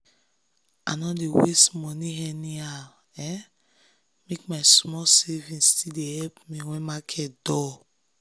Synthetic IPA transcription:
a̰nɔdewestmɔniɦɛnial | ɛ | mekmaɪsmɔsevĩnstidehɛpmĩwɛ̃makʰɛtdɔ

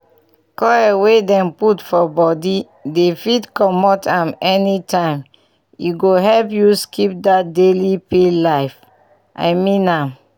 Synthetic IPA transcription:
kɔɛwedɛ̃mputfɔbɔdi | defitkɔmɔtʰãmɛnitʰãɪ̃m | iɡoɦɛlpjuskʰip̚dat̚delipelaɪf | ʔa̰ɪmĩnãm

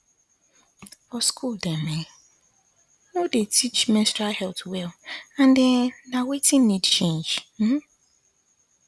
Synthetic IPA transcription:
ɔskʰuldeme | nodetʰit͡ʃmɛ̃stahɛltwɛlãndɪnawetĩn̩ːidt͡ʃẽnd͡ʒm̩

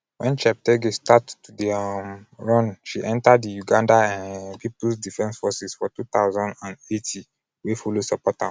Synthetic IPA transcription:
wɛ̃nt͡ʃɛp̚tɛɡestattudiamɹɔ̃nʃiʔɛ̃ntadijuɡãndaãnpʰipusdifɛ̃nsfɔsisfɔtut̪aʊzãndãnetʰi | wefolosɔpɔta

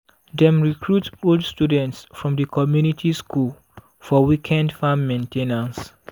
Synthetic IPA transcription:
dɛ̃mɹikʰɹutoldstudɛ̃ntsfɹɔ̃mdəkɔmjunitʰiskʰul | fɔwikʰɛ̃ndfãmːẽntʰenãns

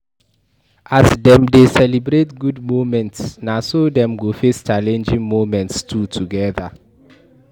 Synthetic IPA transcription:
ʔasdɛ̃mdesɛlibɹetɡudmomɛ̃ntsnasodɛ̃mɡofest͡ʃalɛ̃nd͡ʒĩŋmomɛ̃ntstʰutʰuɡɛða̰

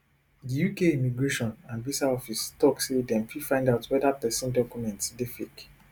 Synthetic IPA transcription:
dijukeimiɡɹeʃɔ̃nãnvisaɔfistɔksedɛ̃mfifãɪ̃ndaʊtwɛdapɛsɔ̃ndɔkjumɛ̃ntsdefik

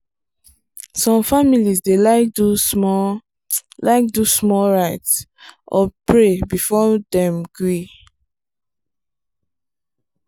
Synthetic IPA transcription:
sɔ̃mfamilisdelaɪk̚duɔ | laɪk̚dusmɔɹaɪtsʔɔpɹebifɔdɛ̃mɡɹi

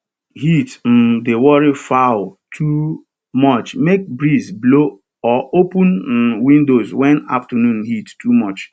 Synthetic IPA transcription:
ɦitn̩dewɔɾifaʊltʰu | mɔt͡ʃmek̚bɹizblo | ɔopʊ̃nwĩndozwɛ̃na̰ftənũnɦittumɔt͡ʃ

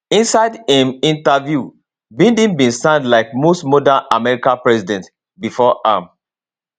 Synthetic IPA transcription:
ĩnsaɪdĩmĩntavju | bĩndĩnbĩnsãndlaɪkmostmɔdãnamɛɹikãpɹɛsidɛ̃nt | bifɔʔãm

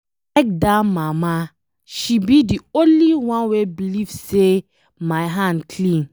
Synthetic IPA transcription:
ɛk̚damama | ʃibidiõnliwãnwebilivse | maɪɦãndkʰlĩn

